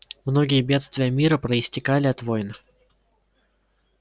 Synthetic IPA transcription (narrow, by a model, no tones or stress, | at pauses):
mno̞ɡʲɪjəbʲe̞t̪st̪vʲɪjəmʲiɾəpɾəɪsʲtʲɪkalʲɪɐt̪vojnə